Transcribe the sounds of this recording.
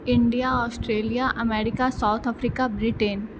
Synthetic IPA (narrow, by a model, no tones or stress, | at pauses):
ɪ̃ɳɖijaɔːsʈɾeːlijaʔɐmeːɾɪkasaːʊt̪ʰəfɾiːkabɾiʈen